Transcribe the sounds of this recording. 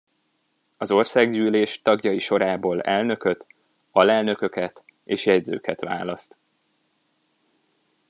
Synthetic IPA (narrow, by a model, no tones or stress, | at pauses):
ɒzo̞rsaːɡɟyːleːʃt̪ɒɡjɒjiʃo̞ɾaːboːlɛ̰lnø̞kø̞t̪ | ɒlɛlnø̞kø̞kɛt̪ | eːʃjɛɟzø̰ːkɛt̪ʋa̰ːlɒst̪